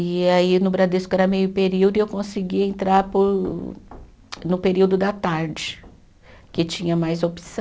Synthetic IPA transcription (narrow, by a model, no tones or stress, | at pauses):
ɪainʊbɾad̪eskʊɛɾɐmejʊpeɾiwd̪ʊɪewkõsiɡiẽnt̪ɾaɾpʊɾ | nʊpeɾiwd̪ʊd̪ɐt̪aɾd͡ʒɪ | kɪt͡ʃĩɲɐmajzopi̥sɐ̃